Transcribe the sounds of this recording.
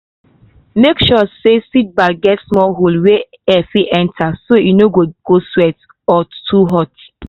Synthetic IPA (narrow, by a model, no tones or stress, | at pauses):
mekʃɔsesit̚baɡɛtsmɔɦolwe | ɛfiʔɛ̃ntʰasojinoɡoɡ̥oswɛt | ɔtʰuɦɔt